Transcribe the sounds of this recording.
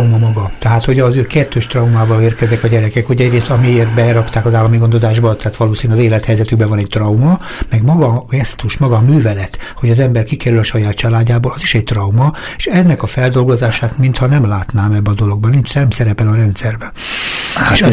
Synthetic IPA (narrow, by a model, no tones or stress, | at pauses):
umɒmɒɡɒt̪ɛɦaːt̪ho̞ɟɒzøːkɛt̪ʰːøːʃt̪rɒumaːvɒleːrkɛznɛkɒɟɛɾɛkɛkho̞ɟɛɟreːst̪ɒmieːrt̪bɛɾɒkt̪aːkɒzaːlːɒmiɡo̞nd̪o̞zaːʒbɒt̪ɛaːt̪ʋɒloːsiːnyɒzeːlɛt̪hɛjzɛt̪yɡbɛvɒnɛct̪rɒumɒ | mɛɡmɒɡɒɡɛst̪uʃmɒɡɒmyːvɛlɛt̪ho̞ɟɒzɛmbɛrkikɛɾylɒʃɒjaːt̪t͡ʃɒlaːɟːaːboːlɒziʃɛɟ̚t̪rɒwmɒ | eʃɛnːɛkɒfɛld̪o̞lɡo̞zaːʃaːt̪mint̪hɒnɛmlaːt̪naːmɛbːɛɒd̪o̞lo̞ɡ̚bɒnint͡ʃnɛmsɛɾɛpɛlɒɾɛnt̪sɛrbɛ | eʃ